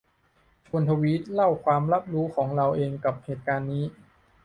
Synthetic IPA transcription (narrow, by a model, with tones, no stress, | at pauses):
t͡ɕʰu˧ənt̪ʰa˧wiː˦˥t̪̚la˥˩wkʰwaː˧mɾa˦˥p̚ɾuː˦˥kʰɔː˩˦ŋɾa˧wʔeː˧ŋka˨˩p̚heː˨˩t̪̚kaː˧nːiː˦˥